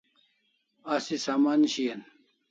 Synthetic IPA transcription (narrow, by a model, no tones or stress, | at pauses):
asisaːmaːnɕijɐn